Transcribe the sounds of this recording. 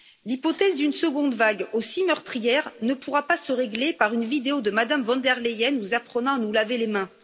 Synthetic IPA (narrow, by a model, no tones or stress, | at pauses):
lipɔt̪ɛzd̪ynsəɡɔ̃d̪vaɡosimœʁt̪χijɛʁnəpuʁapasəʁeɡlepaʁynvid̪eod̪əmad̪amvɑ̃d̪ɛʁlejɛnvuzapχənɑ̃anulavelemɛ̃